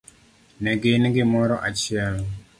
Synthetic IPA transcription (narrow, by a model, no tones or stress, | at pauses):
nɛɡɪnɡɪmɔɾɔʔat͡ʃɪal